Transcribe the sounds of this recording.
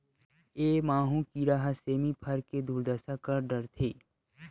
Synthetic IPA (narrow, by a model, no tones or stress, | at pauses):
eːmaːɦũkiɾaːɦəseːmipʰɐɾked̪uːɾd̪əsakɐɾɖɐɾt̪ʰeː